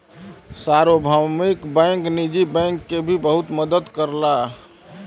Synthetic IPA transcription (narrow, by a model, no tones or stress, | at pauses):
saɾobʱəmikbəŋknid͡ʒibɛ̃ŋkːebʱibəɦut̪məd̪əd̪kəɾla